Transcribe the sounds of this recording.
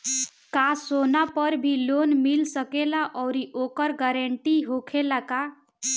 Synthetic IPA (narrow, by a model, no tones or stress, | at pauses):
kasonapəɾbʱilonmilsəkelaʔɔwɾiʔokəɾɡəɾəɳʈiɦokʰelaka